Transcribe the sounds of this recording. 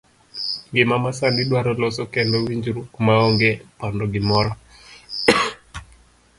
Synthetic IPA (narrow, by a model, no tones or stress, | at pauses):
ŋɡɪmamasandiɗwaɾɔlɔsɔkɛndɔwiɲd͡ʒuɾukmaɔŋɡɛpɔndɔɡɪmɔɾɔ